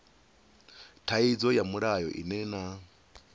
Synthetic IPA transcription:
tʰaid͡zɔjamuɺajɔʔḭnɛna

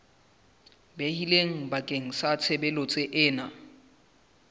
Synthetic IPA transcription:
behileŋ̩bakʼeŋ̩sat͡sʰɛbɛlɔt͡sʼeʔɪːna

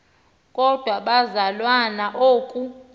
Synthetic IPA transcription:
kʼɔd̥ʱwaɓazalwanaʔoːkʼu

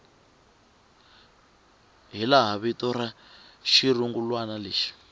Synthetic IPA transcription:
ɦilaɦaβitɔɾaʃiruŋɡulwanaleːʃi̥

